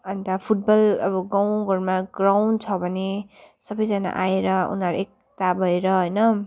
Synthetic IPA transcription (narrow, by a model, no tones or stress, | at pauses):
ʌnt̪apʰuʈ̚bʌlʌbʌɡaw̃ɡʱʌɾmaɡraw̃nt͡sʰʌbʱʌnesʌbʌjd͡zʌna̰ʔaeɾʌṵnaɾuek̚ | t̪abʱʌeɾʌɦʌjnʌ